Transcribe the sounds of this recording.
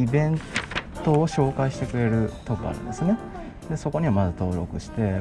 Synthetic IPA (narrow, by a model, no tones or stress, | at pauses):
ibẽ̞nt̪o̞ːɕo̞ːkaiɕi̥t̪e̞kɯ̟ɾe̞ɾɯ̟t̪o̞kɯa̰ɾɯ̟̰̃nd̪e̞sɨne̞ | d̪e̞so̞ko̞ɲ̟iβamazɨt̪o̞ːɾo̞̰kɯ̟ɕi̥t̪e̞